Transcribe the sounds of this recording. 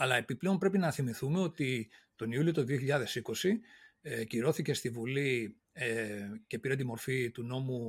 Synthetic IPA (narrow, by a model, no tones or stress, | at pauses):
ɐlɐe̞piple̞o̞npɾe̞pinɐθimiθumeo̞t̪it̪o̞niulio̞t̪oðio̞çiʎɐðe̞siko̞sieciɾo̞θice̞st̪ivuli | ce̞piɾɐnt̪̬imo̞ɾfit̪uno̞mu